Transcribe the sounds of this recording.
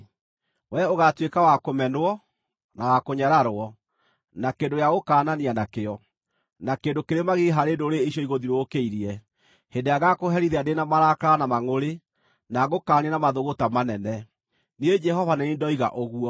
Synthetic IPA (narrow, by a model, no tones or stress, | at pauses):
wɛoɣatwekawakomɛnwɔ | nawakoɲaɾaɾoɔ | nakendojaɣokaːnanianakeɔ | nakendokeɾemaɣeɦaɾeːndoɾeeɕjɔiɣoðiɾookeiɾiɛ | hedeaɣakoɦɛɾiðɛandenamaɾakaɾanamaŋoɾe | naɣokaːnienamaðoɣotamanɛnɛ | need͡ʒɛhɔvanɛniːndɔiɣa̰ʔoɣuɔ